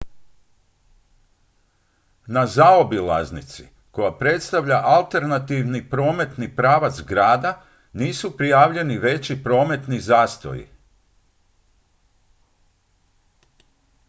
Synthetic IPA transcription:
nazaobila̰znit̪sḭ | ko̞japɾe̞t̪st̪aʋʎaʔalˠt̪e̞ɾnat̪iːʋnipɾo̞ːme̞t̪nipɾaːʋat̪zɡɾaːd̪a | niːsupɾijaːʋʎe̞niʋe̞t͡ɕipɾo̞ːme̞t̪nizaːst̪o̰jḭ

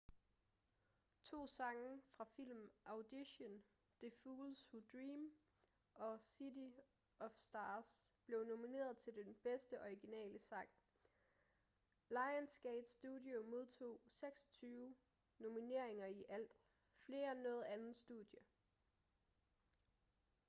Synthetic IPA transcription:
t͡sʰo̝̰ːsɑ̈ŋəfʁɑ̈fil̰mʔɑ̈ʊd̥iɕən | d̥e̝fuːlsud̥ʁiːm | ɒ̽sidi | ɒ̽fsd̥ɑːsb̥le̝ʊno̝mine̝̰ːɐð̞̩ˠt͡sʰe̝ld̥enb̥esd̥əʔɒiɡ̥inɛ̰ːləsɑ̈ŋ̰ | lɑ̈ɪənsɡ̥eɪd̥sd̥udˠjo̝mo̝ð̞ˠt͡sʰo̝̰ːseɡ̥sɒ̥t͡sʰyːʊ | no̝mine̝ɐ̰e̝ŋɐiʔæl̰d̥ | fle̝ːɐenːɔ̽ːð̩ˠænð̩ˠsd̥uðˠjə

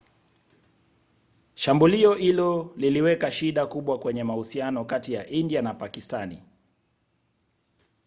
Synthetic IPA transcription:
ʃambuliɔhilɔliliwɛkaʃiɗakuɓwakwɛɲɛmahusianɔkatija̰ʔindianapakistanḭ

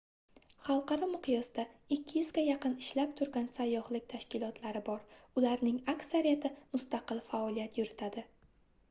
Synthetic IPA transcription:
χɑlˠqɑɾɒmʊqʰɨjɒsd̪aɪkʲʰːɪjɪzɡʲajɑqɨnɪʃlap̚t̪ʰʊɾɡʲansajːɒhlɪk̚ʲt̪ʰaʃkʲɪlˠɒt̪ʰlaɾɪbɒɾʊlaɾnɪŋakʲsaɾijat̪ʰɪmʊst̪aqɨlˠfaɒlijat̪ʰjʊɾɪt̪ʰad̪ɪ

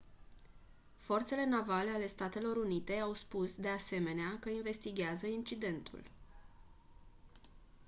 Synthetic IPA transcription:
fo̞rt̪se̞le̞navale̞ale̞st̪at̪e̞lo̞ɾunit̪e̞awspusd̪e̞ase̞me̞neakəinve̞st̪iɡʲeazəint͡ʃid̪e̞nt̪ʰṵl

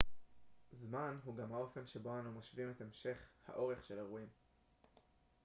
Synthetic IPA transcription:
zmanɦuɡamhao̞fe̞nʃebo̞anumaʃvimetemʃe̞χha̰ʔo̞ʁe̞χʃe̞laʁuim

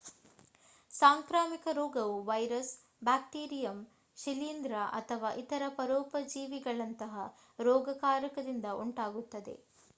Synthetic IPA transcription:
saːŋkɾaːmikɐɾɔːɡɐʋuʋɐjɾɐs | baːk̚ʈiːɾijɐm | ʃiliːnd̪ɾaʔɐ̰t̪ʰɐʋaːʔit̪ɐɾɐpɐɾɔːpɐd͡ʒiːʋiɡɐɭɐnt̪ɐɦɐ | ɾɔːɡɐkaːɾɐkɐd̪ind̪ɐʔuɳʈaːɡut̪ːɐd̪ḛ

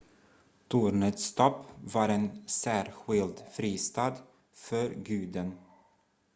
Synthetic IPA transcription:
t̪ʰuːɾɳət̪st̪ʰɔpːvɑɾɛnsæːɾɧɪld̪fɾiːst̪ɑːd̪ | fœɾɡʉ̟ːd̪ən

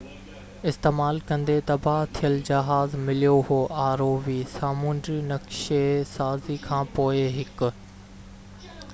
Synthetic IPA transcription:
ɪst̪eːmaːlkɐ̃nd̪et̪ɐbʱaɦt̪ʰijəld͡ʑɐɦaːzmɪlijoɦoːʔaːɾoːʋisaːmũːnd̪ɾinɐkʃesaːzikʰãːpoːeɦɪkʊ̆

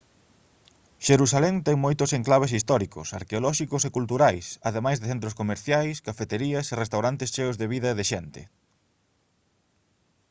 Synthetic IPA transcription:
ʃeɾusalɛŋt̪ɛŋmojt̪ʊseŋklaβ̞esist̪ɔɾiko̰sa̰ɾkeolɔʃikosekult̪uɾajsaðemajzðeθent̪ɾoskomeɾθjajskafet̪eɾiɐserest̪awɾant̪eɪst͡ʃeʊzðeβiðɐeðeʃɛnt̪ɪ̰

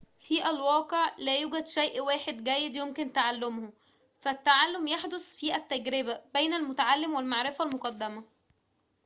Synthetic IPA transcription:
fiːʔælwɑːqeʕlæːjuːɡæd̪ʃæjʔwæːħed̪ɡæjːed̪jomkɪnt̪aʕalːʊmhʊ | fæt̪ːaʕalːomjaħd̪osˤfiːʔæt̪ːæɡɾɪbæbejnælmʊt̪aʕalːɪmwɪlmaʕɾɪfælmoqɑd̪ːæmæ

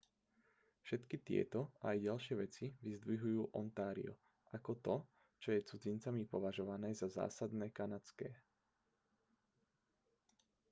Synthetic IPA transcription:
fʃɛt̪kit̪ɪɛ̰t̪ɔajɟalʃɪɛʋɛt͡siʋizd̪ʋiɦujuːʔɔ̰nt̪aːɾḭɔ | ʔakɔt̪ɔ | t͡ʃɔjɛt͡sud͡zint͡samipɔʋaʒɔʋanɛːzaza̰ːsad̪nɛːkanat͡skɛː

